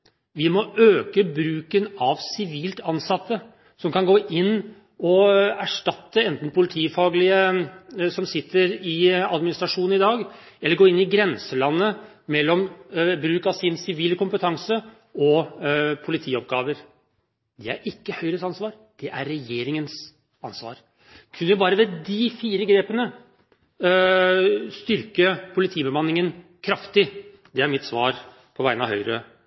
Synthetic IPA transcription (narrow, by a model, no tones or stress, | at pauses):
ʋɪmɔøːkəbɾʉːkənɑʋsɪʋiːlt̪ɑnsɑt̪ːə | sɔmkɑnɡoːʔɪnː | ɔæʂʈɑt̪ːəɛnt̪n̩pʰʊlɪt̪ʰiːfɑːɡlɪə | sɔmsɪt̪ːəɾɪɑd̪mɪnɪst̪ɾɑʂuːnn̩ɪd̪ɑːɡɛlːəɾɡoːɪnːɪɡɾɛnsəlɑnːə | mɛlːɔmbɾʉːkɑʋsɪnsɪʋiːləkʊmpət̪ʰɑŋsə | ɔpʰʊlɪt̪ʰiːɔp̚ɡɑːʋəɾ | d̪ɛæ̰ɾʔɪkːəhœʏɾəsɑnsʋɑːɾ | d̪̥ɛʔæɾːɛjeːɾɪŋəns | ɑnsʋɑ̰ːɾ | kʰʉnːəʋɪbɑːɾəʋɛd̪ɪfiːɾəɡɾeːpənə | st̪ʏɾkəpʰʊlɪt̪ʰiːbəmɑnːɪŋən | kʰɾɑft̪ɪ | d̪ɛæɾmɪt̪sʋɑːɾ | pʰɔʋæɪnɑʋɦœʏɾə̰